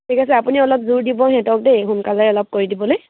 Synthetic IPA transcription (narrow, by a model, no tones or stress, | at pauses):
tʰikasɛapuniɔlɔp̚zuɹdibɔɦɛ̃tɔk̚dejɦunkazajɔlɔp̚koɹidibɔloj